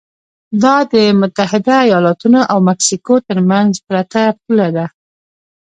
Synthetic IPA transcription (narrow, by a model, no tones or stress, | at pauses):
d̪ɑd̪əmʊt̪ahɪd̪aːjɑlɑt̪unoʔawmaksikot̪əɾmanzpɾat̪ap̚ulad̪a